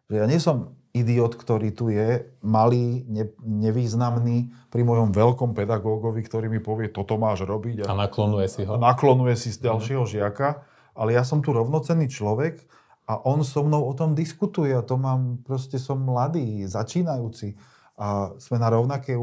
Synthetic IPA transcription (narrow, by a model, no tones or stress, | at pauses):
ʒɛjaːɲɪɛsɔm | id̪iɔːt̪kt̪ɔɾiːt̪ujɛmaliːɲɛɲɛʋiːznamniːpɾimɔjɔmʋɛlkɔmpɛd̪aɡɔːɡɔʋikt̪ɔɾiːmipɔʋɪɛt̪ɔt̪ɔmaːʒɾɔbiɟaanaklɔnujɛsiɦɔnaklɔnujɛsizɟalʃɪɛɦɔʒɪaka | ʔalɛjas̬ɔmt̪uɾɔʊnɔt͡sɛnːiːt͡ʃlɔʋɛɡ | aʔɔnsɔmnɔʊɔt̪ɔmd̪iskut̪ujɛat̪ɔmaːmpɾɔscɛsɔmːlad̪iːzat͡ʃiːnajuːt͡si | az̥mɛnaɾɔʊnakɛ